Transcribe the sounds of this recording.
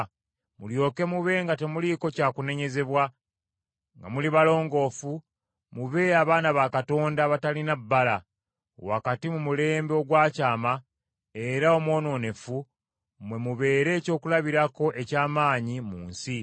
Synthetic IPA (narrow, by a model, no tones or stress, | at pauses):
muljo̞ːke̞muβe̞ːŋɡate̞muliko̞caːkune̞ɲe̞ze̞βwa | ŋɡa̰muliβalo̞ːŋɡo̞ːfu | muβe̞aβaːnaβakato̞ːndaβatalinabːala | wakatimumule̞ːmbeoɡwaːcaːma | e̞ɾao̞mwo̞ːno̞ːne̞fu | mwe̞muβe̞ːɾe̞ːco̞ːkulaβiɾako̞ʔe̞caːmaːɲimuːnsi